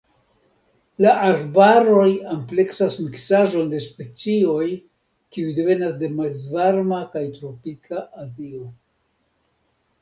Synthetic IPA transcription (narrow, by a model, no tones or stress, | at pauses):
laʔaɾbaɾo̞jample̞ksasmiksaʒo̞nde̞spe̞t͡sio̞j | kiujde̞ve̞nasde̞malzvaɾmakajtɾo̞pikʰaʔazio